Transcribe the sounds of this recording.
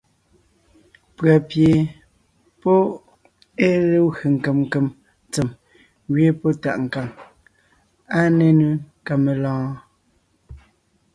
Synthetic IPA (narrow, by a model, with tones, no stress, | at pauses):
pɰa˨pje˨ | po˦ | e˦le˦ɣe˨ŋ̩˨ke˨mŋ̩˨ke˨m | t͡se˨m | ɣɥe˦po˦ta̰˨ʔŋ̩˨ka˨ŋ | a˦ne˦ne˦ | ka˨me˨lɔ̃ː˦